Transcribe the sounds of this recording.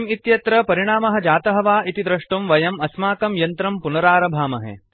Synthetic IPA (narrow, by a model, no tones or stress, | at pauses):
mit̪jɐt̪ɾɐpɐɾiɳ̃aːmɐɦɐ̆d͡ʒaːt̪ɐɦɐʋaːʔit̪id̪ɾɐʂʈumʋɐjɐmɐsmaːkɐmjɐnt̪ɾɐmpunɐɾaːɾɐbʱaːmɐɦḛ